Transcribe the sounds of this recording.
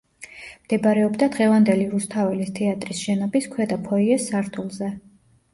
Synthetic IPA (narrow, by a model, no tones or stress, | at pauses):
md̪̥ɛbaɾɛɔbd̪ad̪ʁɛvand̪ɛliɾust̪ʰavɛlist̪ʰɛat̪ʼɾisʃɛnɔbiskʰwɛd̪apʰɔiɛsːaɾt̪ʰulˠzɛ